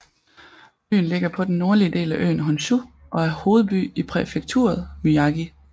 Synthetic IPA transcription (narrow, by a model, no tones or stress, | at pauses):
b̥y̰ːn̩le̝ɡ̥ɐpʰɒ̽d̥enːo̝ɐliəd̥e̝̰ːlæʔø̰ːnɦɒnɕu | ʔɒ̽æɐho̝ːð̩ˠb̥y̰ːipʰʁɛfeɡ̥̚t͡sʰṵːɐð̞ˠmyɑ̈ɡ̥i